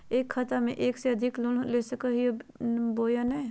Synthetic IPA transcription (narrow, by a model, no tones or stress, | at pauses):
eːkʰːɐt̪amḛ̃ʔeːkseɐd̪ʱɪklʊnleːsəkəɦieboːjanɛː